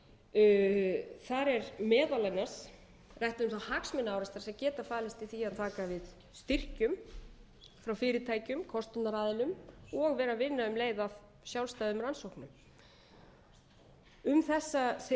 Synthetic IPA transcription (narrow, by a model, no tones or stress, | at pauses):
θaɾɛɾmɛːðalanas | rajht̪ɪðʏmθahaksmɪnːaːwɾɛst̪aɾ̥sɛmcɛːt̪afaːlɪst̪iθiaðt̪ʰaːkavɪð | st̪ɪr̥cʏm | fɾawfɪːɾɪt̪ʰaːjcʏmkʰɔst̪ʏt̪naɾaːðɪnʏmɔɣvɛːɾavɪnːaʏmleːjðav | sjawlst̪ajðʏmransowhknʏm | ʏmθɛsːas